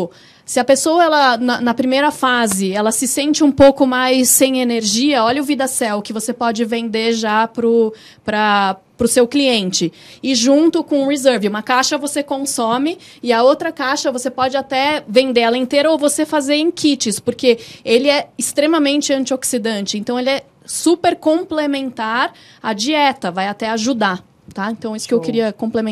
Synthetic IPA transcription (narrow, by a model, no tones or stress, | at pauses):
sɪɐpesowɐɛlɐnɐnɐpɾimejɾɐfazɪɛlɐsɪsẽnt͡ʃɪũpowkʊmajsːẽj̃eneɾʒiɐɔʎɐʊvid̪ɐsɛwkɪvosepɔd͡ʒɪvẽnd̪eʒapɾʊ | pɾɐ | pɾʊsewkliẽnt͡ʃɪ | ɪʒũnt̪ʊkõũhizɛɾvɪũmɐkaʃɐvosekõsõmɪ | ɪɐowt̪ɾɐkaʃɐvosepɔd͡ʒɪat̪ɛvẽnd̪eɛlɐẽnt̪eɾɐovosefazeɾẽj̃kʰit͡ʃɪspʊɾkeelɪɛɪst̪ɾẽmɐmẽnt͡ʃɪɐ̃nt͡ʃioksid̪ɐ̃nt͡ʃɪẽnt̪ɐ̃w̃elɪɛ | supeɾkõplemẽnt̪aɾ | ɐd͡ʒiɛt̪ɐvajat̪ɛaʒud̪a | t̪aẽnt̪ɐ̃w̃isʊ̥kɪewkɪɾiɐkõplemẽ